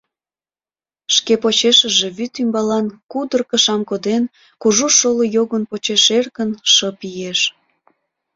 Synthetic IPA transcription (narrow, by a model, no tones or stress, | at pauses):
ʃkepot͡ɕeʃəʒe̽βyt̪ymbɑlɑnkud̪ərkə̆ʃɑmkod̪en | kuʒuʃoləjoɣənpot͡ɕeʃerkənʃəpijeʃ